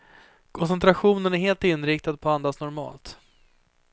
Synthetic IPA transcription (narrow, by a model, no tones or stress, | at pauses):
kʰɔns̬ɛnt̪ʰɾaɧuːnənæɾɦeːlt̪ɪnɾɪk̚t̪ad̪̚pʰɔand̪asnɔɾmɑ̰ːlt̪